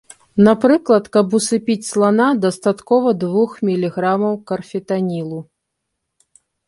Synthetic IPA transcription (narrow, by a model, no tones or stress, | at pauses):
napɾɨklˠɐt̪kɐbusɨpʲit͡sʲslˠanad̪ɐst̪at̪kɔvɐd̪vuxmʲilʲiɣɾamɐwkɐrfʲɛt̪anʲilˠu